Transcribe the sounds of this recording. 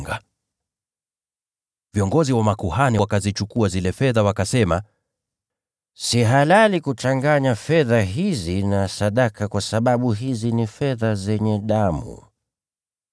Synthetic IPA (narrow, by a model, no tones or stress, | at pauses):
ɡa | viɔŋɡɔziwamakuhaniwakazit͡ʃukuazilɛfɛðawakasɛma | siɦalalikut͡ʃaŋɡaɲafɛðaɦizinasaɗakakwasaɓaɓuɦizinifɛðazɛɲɛɗamṵ